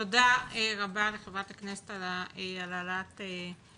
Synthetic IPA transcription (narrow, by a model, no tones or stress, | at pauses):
odaeʁabaleχevʁat̪haknese̥t̪alaealalat̪e